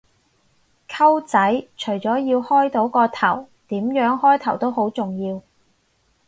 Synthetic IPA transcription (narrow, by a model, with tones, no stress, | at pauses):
kʰɐ˥wt͡sɐ˨˥jt͡ʃʰɵ˨˩jt͡sɔː˨˥jiː˧whɔː˥jt̪o˨˥wkɔː˧t̪ʰɐ˨˩w | t̪iː˨˥mjœː˨˥ŋhɔː˥jt̪ʰɐ˨˩wt̪o˥who˨˥wt͡sʊ˨˩ŋjiː˧w